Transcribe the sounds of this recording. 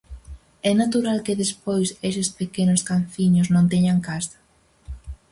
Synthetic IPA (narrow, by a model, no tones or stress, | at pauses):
ɛnat̪uɾalkɪðespojsesɪspekenʊskan̟θiɲoznõnt̪ɛɲaŋkasḁ